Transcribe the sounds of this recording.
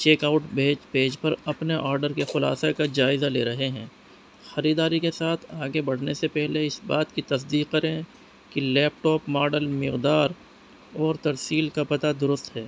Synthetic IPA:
t͡ʃeːkaʊʈbʱeːd͡ʒpeːd͡ʒpɐɾɐpneʔɔːɾɖəɾkexʊla̰ːsekad͡ʒaːɪzaleːɾɐɦeɦɛ̃ː | xɐɾiːd̪aːɾikesaːt̪ʰaːɡebɐɽ̤nesepɛɦleɪsbaːt̪kit̪ɐs̬d̪iːqɐɾẽ | kilɛːp̚ʈɔːpmaːɖəlmɪqd̪aːɾ | ɔːɾt̪ɐɾsiːlkapɐt̪ad̪ʊɾʊst̪ɦɛː

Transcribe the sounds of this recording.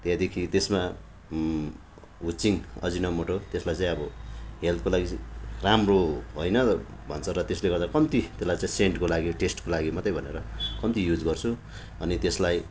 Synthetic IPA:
t̪jãd̪ekʰit̪esma | ɦut͡siŋʌ̰d͡zinʌmoʈot̪eslajt͡saĩʌbʌɦelt̪̚kolaɡiramroɦojnʌ | bʱʌ̰nt͡sʰʌɾʌt̪esleɡʌɾd̪akʌmt̪it̪eslajt͡sãĩseɳʈkolaɡiʈesʈkolaɡimʌt̪ʌjbʱʌneɾʌkʌmt̪ijud͡zɡʌrt͡sʰu | ʌnit̪eslaj

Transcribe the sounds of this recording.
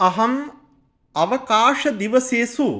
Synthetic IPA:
ɐɦɐm | ɐʋɐkaːʂɐd̪iʋɐseːsu

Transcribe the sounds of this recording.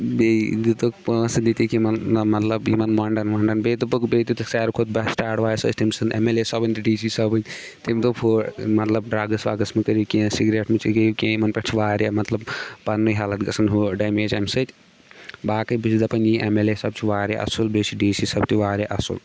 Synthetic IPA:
bed̪it̪okposɨd̪it̪ikimɐnnɐmɐt̪lɐbjimɐnmaːɳɖɐnmɐːɳɖɐnbet̪upukbet̪it̪ɨsaːɾkʰod̪̚bɐsʈaːʈʋaːjsɐ̰ːt͡ʃʰt̪ʰimʲsɨnʔḛmelesɔbɨnʲt̪ɐɖiːsisɐbɐnʲ | t̪imʲt̪opʰoːɾmɐt̪lɐb̚ɖɾaːɡɐsʋa̰ːɡɐsmekɐɾikĩsiɡɾeːʈmet͡ʃʰikikʲẽimɐnpɐt͡ʃʰiʋaːɾemɐt̪lɐbpɐnːɨɦaːlɐt̪ɡɐsʰɐnɦuɖɐjmeːd͡ʒɐmsɐt̪ʲ | baːkɨbit͡ʃʰid̪ɐpɐnʲiʔemelesɐb̚t͡ʃʰiʋaːɾeʔɐ̰sulbet͡ʃʰiɖiːsisɐbt͡ʃ̪ʰiʋaːɾeʔɐsṵl

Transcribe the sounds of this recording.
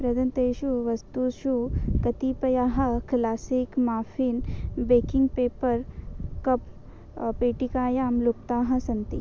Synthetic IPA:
pɾɐd̪ʱɐnt̪eːʃuʋɐst̪uːʃukɐt̪ipɐjaːɦɐklaːsikmaːfʰiːnbeːkiŋɡ̚peːpɐɾkɐp | peːʈikaːjaːmluk̚t̪aːɦɐsɐnt̪ḭ

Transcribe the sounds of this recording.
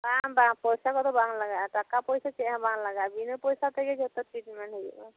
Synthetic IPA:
babaŋpɔjsakɔt̪ɔbaŋlaɡakakapɔjsat͡ʃɛãbaŋlaɡabinɔpɔjsat̪ɛɡɛd͡ʒʰɔt̪ɔt̪ɾiʈmɛnɦɔj̰a

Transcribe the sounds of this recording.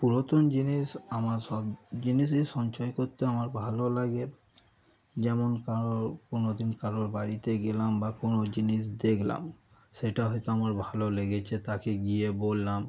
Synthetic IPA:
puɹot̪ɔnd͡ʒinisamasɔbd͡ʑinis̬isɔnt͡ʃɔjkot̪ːeamaɹbʱalolaɡe | d͡ʒɛmonkaɔkonod̪inkaɾɔɹbaɹit̪eɡelambakonod͡ʑinis̬d̪ekʰla̰m | sejʈaɦɔjt̪oamaɹbʱaloleɡet͡ʃʰet̪akeɡijebolːam

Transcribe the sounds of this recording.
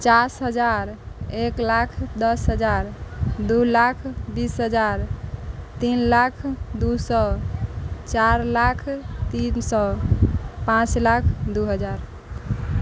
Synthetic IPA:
t͡ʃasɦəd͡ʒaɾeklakʰd̪ʌsɦəd͡ʒaɾd̪ulakʰbisɦəd͡ʒaɾ | t̪inlakʰd̪usɔ | t͡ʃaɾlakʰt̪insɔ | pãt͡ʃlakʰd̪uɦəd͡ʒaɾ

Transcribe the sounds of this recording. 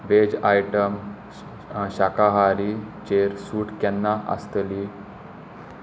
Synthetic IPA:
ʋed͡ʑajʈəm | ɕakaɦaɾit͡ɕeɾsuːʈkɛnːaʔə̰st̪əli

